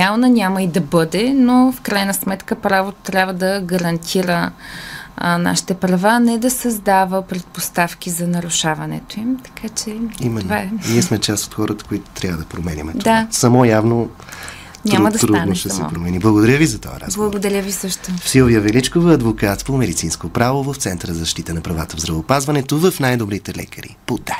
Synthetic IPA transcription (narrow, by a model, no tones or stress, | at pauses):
alˠnənʲaməid̪ɐbɤd̪ɛnofkɾajnəsmɛt̪kəpɾavot̪t̪ɾʲabvəd̪ɐɡɐɾɐnt̪ʰiɾə | na̰ʃi̥t̪ɛpɾɐvanɛd̪ɐsɐzd̪avəpɾɛt̪̚post̪afkʲizɐnɐɾʊʃavɐnɛ̰t̪oimt̪ɐ̥kʰat͡ʃɛimɛːvaɛniɛsmɛt͡ʃast̪o̥t̪xɔɾət̪ə̥koit̪o̥t̪ɾʲavəd̪ɐpɾomɛnʲə̰mɛtd̪od̪aasɐmɔjavno | ɲʲt̪aɾmɐd̪ɐt̪ɾud̪noʃt̪ɛsɛ̰pɾomɛniblˠɐɡod̪ɐɾʲjəvizɐt̪ɔ̰jə̰ɾa̰sblˠɐɡod̪ɐɾʲjəvisəʃt̪ʊfsivijəvɛlit͡ʃkovəɐd̪vokat̪spomɛd̪it̪sinskopɾavovɐft̪sɛnt̪əɾəzəʃt̪it̪ənɐpɾɐvat̪əvzɾɐvoːpazvɐnɛt̪ovɐfnajd̪obɾit̪ɛlɛ̰kəɾḭpod̪a